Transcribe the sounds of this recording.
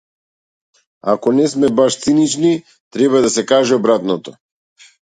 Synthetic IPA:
a̰kɔnɛsmɛbaʃt̪sinit͡ʃni | t̪ɾɛβad̪asɛkaʒɛɔbɾat̪nɔt̪ɔ

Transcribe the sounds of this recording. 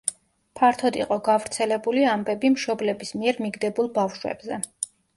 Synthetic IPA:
pʰaɾt̪ʰɔd̪iqʼɔɡavɾt̪sʰɛlɛbuliambɛbimʃɔblɛbismiɛɾmiɡd̪ɛbulˠbafʃwɛ̰b̥zɛ

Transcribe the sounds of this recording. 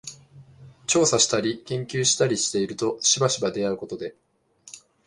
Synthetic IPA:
t͡ɕo̞ːsaɕi̥t̪aɾʲikẽ̞ŋkʲɨːɕi̥t̪aɾʲiɕi̥t̪e̞iɾɯ̟t̪o̞ɕibaɕibad̪e̞aɯ̟ko̞t̪o̞d̪e̞

